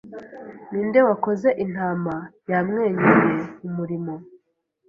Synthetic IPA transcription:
niːnde̞wako̞ze̞ʔin̥haːmajamŋe̞ːɲeje̞umuɾimo̞

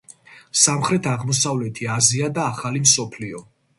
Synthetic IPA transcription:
samχɾɛt̪ʰaʁmɔsavlɛt̪ʰiaziad̪aːχalimsɔpʰliɔ

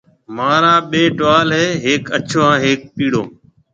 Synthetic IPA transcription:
maːɾãːɓeːʈʋaːlɦeːɦeːkət͡ʃʰoːãːɦeːk̚piːɽoː

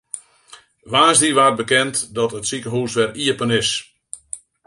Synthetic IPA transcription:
ʋaːsdiʋaːt̚bəkɛntdɔtətsikəɦuːsʋɛriəpənɪs

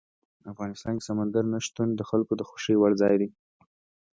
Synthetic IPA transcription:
afɣɑnɪst̪ɑnke̥samand̪aɾnaʃt̪und̪əxalkod̪əxʊ̥ʃiwaɽzɑjd̪i

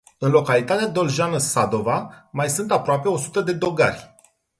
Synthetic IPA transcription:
ɨnlo̞kalit̪at̪ead̪o̞lʒanəsad̪o̞vamajsɨnt̪apɾoape̞o̞su̥t̪əd̪e̞d̪o̞ɡa̰rʲ

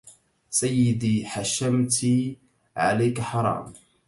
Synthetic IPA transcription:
sajːɪd̪iħaʃːamt̪i | ʕa̰lajkaħɑɾˤɑ̰ːm

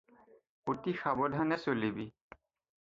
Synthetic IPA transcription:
otixabɔdʱanɛsolibi

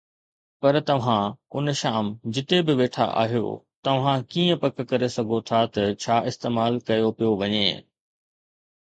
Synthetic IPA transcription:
pɐɾt̪ɐʋ̤ãʊnʃaːmd͡ʑɪt̪ebɪʋeːʈʰa̰ʔa̰ːɦijo̰t̪ɐʋ̤ãkiːə̃pɐkkɐɾesɐɡʱot̪ʰat̪ɐt͡ɕʰaːʔɪst̪eːmaːlkɐjopijoʋɐɲe

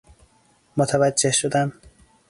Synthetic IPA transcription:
mot̪ʰævæd͡ʒːehʃod̪æm

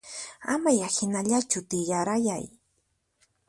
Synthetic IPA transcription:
amajahɪnaʎat͡ʃʊt̪ɪjaɾajaj

